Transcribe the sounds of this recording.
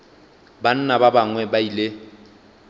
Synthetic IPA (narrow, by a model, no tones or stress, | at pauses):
ban̩nababaŋwɛbailɪ